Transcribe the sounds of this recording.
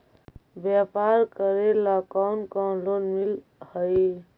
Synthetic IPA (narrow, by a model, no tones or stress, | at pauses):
bjapaɾkəɾelakawnkalonmil | həj